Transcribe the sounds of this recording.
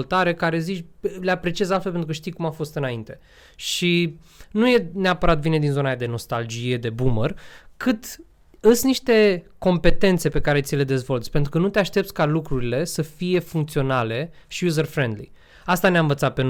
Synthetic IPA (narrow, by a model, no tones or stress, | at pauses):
lt̪aɾe̞kaɾe̞zit͡ʃʲleapɾe̞t͡ʃiezalt̪felpent̪ɾukəʃt̪ijkumafo̞st̪ɨnaint̪e̞ | ʃi | nuje̞neapəɾat̪vine̞d̪inzo̞nad̪e̞no̞st̪ald͡ʒije̞d̪e̞bumərkɨt̪ | əsniʃt̪e̞ko̞mpe̞t̪e̞nt̪se̞pe̞kaɾe̞t̪sile̞d̪e̞zvo̞lt̪sʲpe̞nt̪ɾukənut̪e̞aʃt̪e̞p̚t̪sʲkalukɾuɾile̞səfije̞fuŋkt̪sio̞nale̞ʃiuzərfɾend̪lḭ | ast̪aneaɨɱvət̪sat̪̚pe̞n